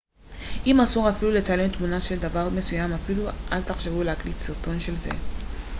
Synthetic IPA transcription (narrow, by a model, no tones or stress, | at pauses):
imasɔ̃ŋafiluletalɛ̃mt̪munaʃɛld̪avaʁmesujãmafilua̰lt̪aχʃevulaklisiʁtɔ̃nʃɛlzɛ̰